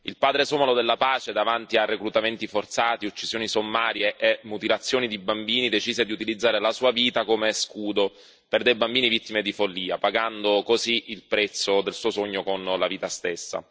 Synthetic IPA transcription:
ilpaːd̪ɾesoːmalod̪elːapaːt͡ʃed̪avant̪iarːekɾut̪ament̪ifort̪saːt̪iut͡ʃːizjoːnisomːaːɾjeʔemːut̪ilat̪sːjoːnid̪ibambiːnid̪et͡ʃiːzed̪iut̪ilid̪zːaːɾelasuːaviːt̪akomeskuːd̪o | perd̪ejbambiːnivit̪ːimed̪ifolːiːapaɡand̪okoziilpɾɛt̪sːod̪elsuːosoɲːokonlaviːt̪ast̪esːa̰

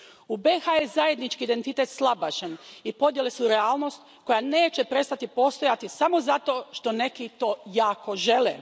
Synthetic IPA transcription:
ubexajezaje̞d̪nit͡ʃkiːd̪e̞nt̪it̪et̪slˠabaʃenipo̞d̪jele̞suɾeaːlno̞st̪ | ko̞jane̞ːt͡ʃepɾe̞st̪at̪ipo̞st̪o̞jat̪isamo̞zat̪o̞ːʃt̪o̞ne̞kit̪o̞ːjaːko̞ʒe̞lḛ

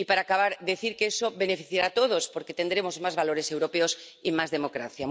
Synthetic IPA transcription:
ipaɾakaβ̞aɾðeθiɾkeesoβenefiθjeɾat̪oð̞ospoɾket̪e̞nd̪ɾemozmazβaloɾesewɾopeos | imazðemokɾa̰θja

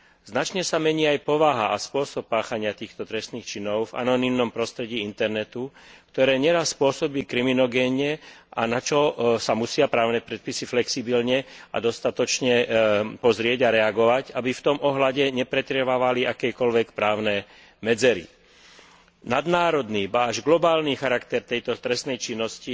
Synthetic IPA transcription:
znat͡ʃɲɛsamɛɲiːajpɔʋaɦaʔaspʊɔsɔp̚paːxaɲɪat̪iːxt̪ɔt̪ɾɛst̪niːxt͡ʃinɔʊva̰nɔnimnɔmpɾɔst̪ɾɛɟiːint̪ɛɾnɛt̪ukt̪ɔɾɛːɲɛɾasːpʊɔsɔbiːkɾiminɔɡɛnɲɛʔa̰nat͡ʃɔsamusɪapɾaːʊnɛːpɾɛt̪̚pisiflɛksibilɲɛa̰d̪ɔst̪at̪ɔt͡ʃɲɛpɔzɾɪɛɟaɾɛaɡɔʋacabift̪ɔmʔɔɦlaɟɛɲɛpɾɛt̪ɾɛʋaʋaliakɛjkɔlʋɛkpɾaːʊnɛː | mɛd͡zɛɾḭ | nad̪naːɾɔd̪niːbaːʒɡlɔbaːlnixaɾakt̪ɛɾt̪ɛjt̪ɔt̪ɾɛst̪nɛjt͡ʃinːɔsci

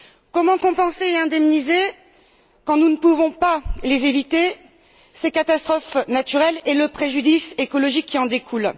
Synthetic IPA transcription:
kɔmɑ̃kɔ̃pɑ̃seeɛ̃d̪ɛmnize | kɑ̃nunəpuvɔ̃palezevit̪e | sekat̪ast̪χɔfnat̪yʁɛleləpχeʒyd̪isekɔlɔʒikʲʰːiɑ̃d̪ekʰul

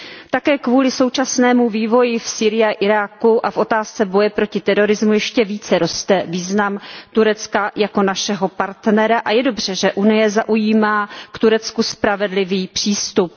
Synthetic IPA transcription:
t̪akɛːkvuːlɪsowt͡ʃasnɛːmuviːvo̞jɪfsiːɾɪjaʔɪɾaːkuʔafʔo̞t̪aːst͡sɛbo̞jɛpɾo̞cɪt̪ɛɾo̞ɾɪzmujɛʃcɛviːt͡sɛɾo̞st̪ɛviːznamt̪uɾɛt͡skajako̞naʃɛɦo̞paɾt̪nɛɾaʔajɛdo̞br̝ɛʒɛʔunɪjɛzaʔujiːmaːkt̪uɾɛt͡skuspɾavɛdlɪviːpr̝̥iːst̪up̚

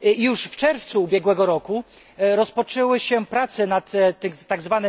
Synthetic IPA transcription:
juʂft͡ʂɛɾft̪suːbʲjɛɡwɛɡɔɾɔku | ɾɔspɔt͡ʂɛwɘɕɛpɾat̪sɛnat̪ːɘt̪aɡzvanɛ

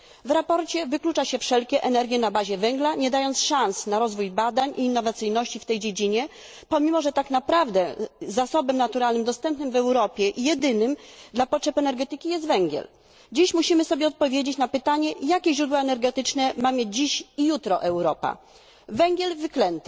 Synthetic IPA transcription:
vɾapɔɾt͡ɕɛvɘklut͡ʂaɕɛfʂɛlkʲɛʔɛnɛɾɡʲjɛnabaʑɛvɛŋɡlaɲɛd̪ajɔnt̪sʂansnaɾɔzvujbad̪aɲʔiːnːɔvat̪sɘjnɔɕt͡ɕift̪ɛjd͡ʑed͡ʑiɲɛ | pɔmʲimɔʐɛt̪aknapɾavd̪ɛzasɔbɛmnat̪uɾalnɘmd̪ɔst̪ɛmpnɘmvɛwɾɔpʲjɛʔijɛd̪ɘnɘmd̪lapɔtʂɛpɛnɛɾɡɛt̪ɘkʲijɛs̬t̪vɛŋɡʲjɛ̰l | d͡ʑiɕmuɕimɘsɔbʲjɛɔt̪̚pɔvʲjed͡ʑet͡ɕnapɘt̪aɲɛjakʲɛʑɾud̪waɛnɛɾɡɛt̪ɘt͡ʂnɛmamʲjed͡ʑd͡ʑiɕijut̪ɾɔʔɛwɾɔpa̰ | vɛŋɡʲɛlvɘklɛnt̪ɛ̥

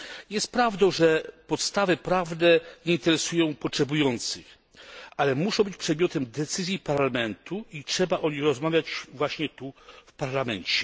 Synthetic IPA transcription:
jɛst̪̚pɾavd̪ɔ̃w̃ʐɛpɔt̪st̪avɘpɾavnɛɲɛint̪ɛɾɛsujɔ̃w̃pɔtʂɛbujɔnt̪sɨx | alɛmuʂɔ̃w̃bɘt͡ɕpʂɛd̪mʲjɔt̪ɛmd̪ɛt̪sɘzʲjipaɾlamɛnt̪uitʂɛbaʔɔɲixɾɔzmavʲjat͡ɕvwaɕɲɛt̪ufpaɾlamɛɲt͡ɕɛ

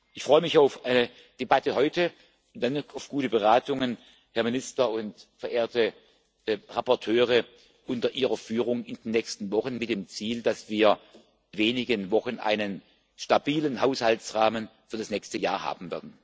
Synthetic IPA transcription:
ʔɪçfʁ̥ɔʏəmɪçaʊfʔaɪnə | d̥ebatəhɔʏtə | ʊnd̥anaʊfɡ̥uːtəbəʁaːtʊŋən | hɛɐmɪnɪstɐʊntfɛɐʔeːɐtə | ʁapɔɐtʰøːʁə | ʔʊntɐʔiːʁɐfyːʁʊŋɪndenːɛçstn̩vɔχənmɪt̚d̥eːmt͡siːldasv̥iːɐ | veːnɪɡənvɔxənʔa̰ɪnən | ʃtab̥iːlənhaʊshaltt͡sʁaːmənfyːɐdasnɛçstəja̰ːɐha̰ːbm̩vɛɐdn̩

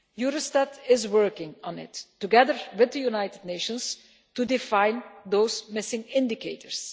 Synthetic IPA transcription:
juɾəstadɪzwɜ˞kɪ̃ŋɔ̃nɪ̰tːuɡɛðəɹwɪðəjunaɪtɨdneɪʃə̃ns | tudɪfãɪ̃nðoʊzmɪsɪ̃ŋɪ̃ndɪkʰeɪtəɹs

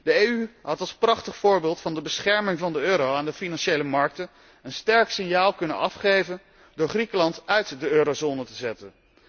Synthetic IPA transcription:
d̥əeyɦɑtɑlˠsprɑχtəχfʊːɹbɪːlˠtfɑndəbəsχɛɹmɪŋvɑndəøːɾowaːndəfinɑnʃejləmɑɹk̚tən | ənstɛɹksɪŋjaːlˠkɵnə̰nɑfχejvən | dʊːɹχrikəlɑntœɥtdəøːɾozoːnətəzɛtən

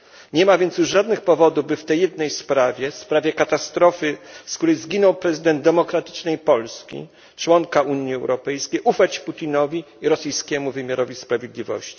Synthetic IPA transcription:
ɲɛmavʲjɛnt̪sjuʂʐad̪nɘxpɔvɔd̪uvbɘft̪ɛjːɛd̪nɛjspɾavʲjɛfspɾavʲjɛkat̪ast̪ɾɔfɘskt̪uɾɛjzɡʲinɔwpɾɛzɘd̪ɛnd̪̚d̪ːɛmɔkɾat̪ɘ̥t͡ʂnɛjpɔlskʲḭ | t͡ʂwɔŋkauɲjiɛwɾɔpɛjskʲejʔufat͡ɕput̪ʲinɔvʲi | iɾɔsɘjskʲɛmuvɘmʲjaɾɔvʲispɾavʲjed̪lʲivɔ̰ɕt͡ɕi̥

